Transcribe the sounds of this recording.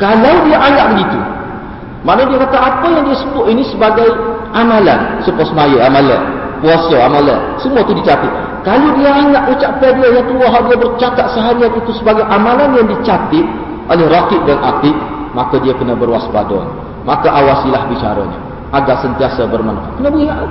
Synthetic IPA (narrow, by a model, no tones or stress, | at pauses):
kalawdiaʔaŋaʔ̚bəɡit̪ṵ | maʔnədiakat̪aʔapajaŋdiasəbʊʔinisəbaɡajʔamalansəpɔsmajəamaləpuasəamalə̰ | səmuat̪udit͡ʃat̪ɪt̪̚ | kaludiaaŋaʔut͡ʃaʔpadiajaŋk̪əluaɦaʔdiabərt͡ʃakat̪̚səɦaɾiat̪it̪usəbaɡajʔamalanjaŋdit͡ʃat̪ɪt̪̚ | ʔolɛhrakɪʔ̚danʔat̪ɪk̚ | makadiakənəbərwaspa̰dɔ̰n | makaʔawasilahbit͡ʃa̰ɾa̰ɲə̰ | ʔaɡaʔsənt̪iasabərma̰nakənabəɡia